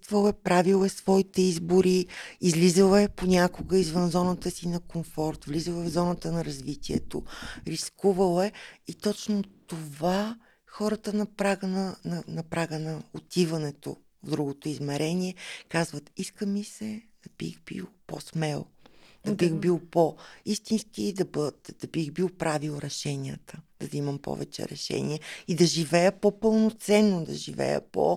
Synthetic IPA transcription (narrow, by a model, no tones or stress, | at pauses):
t̪vəlˠɛpɾavilˠɛsvɔit̪ɛizboɾiizlizəlɛponʲakoɡəizvənzɔnət̪əsinɐkoɱfɔɾt̪vlizəlˠɛvzɔnət̪ənɐɾɐzvit̪iɛ̰t̪o̰ɾiskuvəlˠɛit̪ɔt͡ʃnot̪ova | xɔɾət̪ənɐpɾaɡənənɐnɐpɾaɡənɐot̪ivɐnɛt̪o̰ | vd̪ɾuɡot̪oizmɛɾɛniɛkazvət̪iskəmisɛd̪̥ɐb̥ḭxbḭlˠpo̰smɛlˠd̪ɐbixbilˠpoist̪inskid̪ɐbət̪d̪ɐbiɣbilˠpɾavilˠɾɛʃɛnʲiət̪əd̪̥ɐzimɐmpɔ̰vɛ̰t͡ʃɛ̰ɾɛ̰ʃɛ̰nʲḭɛid̪ɐʒivɛjəpopɤlˠnot̪sɛnːod̪ɐ̰ʒivɛ̰jə̰po̰